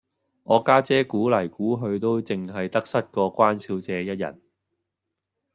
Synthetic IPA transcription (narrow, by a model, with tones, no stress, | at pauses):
ŋʔɔː˨˧kaː˥t͡sɛː˥kuː˨˥lɐ˨˩jkuː˨˥ɦɵ˧ɥt̪o˥wt͡sɪ˨ŋɦɐ˨jt̪ɐ˥k̚sɐ˥t̚kɔː˧kʷwaː˥nsi˨˥wt͡sɛː˨˧jɐ˥t̚jɐ̰˨˩n